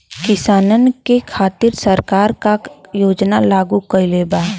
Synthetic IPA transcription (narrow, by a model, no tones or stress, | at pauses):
kɪsaːnənkekʰaːt̪ɪɾsəɾkaːɾkajoːd͡ʒnalaːɡukəleːbaː